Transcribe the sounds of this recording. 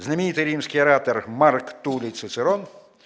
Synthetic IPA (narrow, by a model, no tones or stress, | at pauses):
znɐmʲinʲit̪ɪjɾʲimsʲkɪjɐɾɑt̪ermarkt̪ulʲisɪsɪɾɔn